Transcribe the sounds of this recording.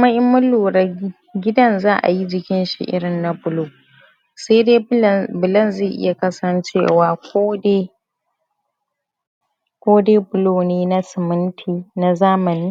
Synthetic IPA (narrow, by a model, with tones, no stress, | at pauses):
mɐ˦ʔɪ˦mːʊ˦luː˨ɾɐ˦ | ɡʲɪ˦dɐ˦˨nzaː˦ʔa̰˨ji˦d͡ʒɪ˨kʲɪ˦nʃḭ˦˨ʔɪ̰˦ɽɪ˨nːa˨bʊ˨loː˨ | se˦deː˦˨bʊ˨lɐ˦˨nze˦˨ʔɪ̰˦ja˨kɐ˦sɐ˦nt͡ʃḛː˦˨waː˨kʷoː˦de˦ | kʷoː˦deː˦bʊ˨loː˦˨neː˦na˦sɪ˨mɪ˦ntʰiː˦na˦zaː˦mɐ˨niː˦